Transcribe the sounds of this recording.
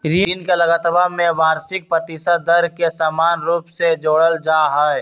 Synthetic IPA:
ɾinkeləɡət̪bamẽbaːɾsɪk̚pɾət̪ɪsət̪̚d̪əɾkesamaːnɾuːpsed͡ʒoːɽəld͡ʒaːɦɛ

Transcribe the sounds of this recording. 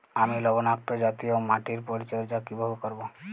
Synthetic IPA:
amilɔbonak̚t̪od͡ʒat̪iomaʈiɾpɔɾit͡ʃɔɾd͡ʒakibʱɔbkɔɾbo

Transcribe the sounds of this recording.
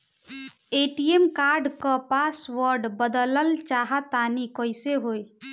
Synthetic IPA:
eʈiemkaɾɖkəpasʋəɾɖbəd̪ləlt͡ʃaɦat̪anikɔɪseɦoj

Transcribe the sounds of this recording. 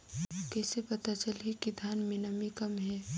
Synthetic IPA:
kɛːsepɐt̪at͡ʃəlɦikid̪ʱaːnmɪnəmikəmɦɛː

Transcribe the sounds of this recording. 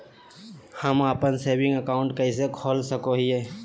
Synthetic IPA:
həmapənseːbɪ̃ŋɡəkaːʊ̃ɳʈkəisekʰoːlsəkoɦieː

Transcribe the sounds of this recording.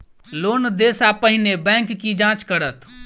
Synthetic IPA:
loːnd̪esapəɦɪnebɛ̃ŋkːid͡ʒãt͡ʃkəɾət̪ʰ

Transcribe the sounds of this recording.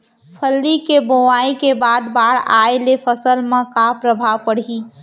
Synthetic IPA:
pʰəlːikeboaːikebaːd̪baːɽa̰ːelepʰəsəlmẽkapɾəbʱaʋpəɽ̤i

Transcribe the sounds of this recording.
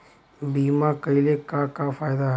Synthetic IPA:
biːmãːkəilekakafaːjd̪aɦ

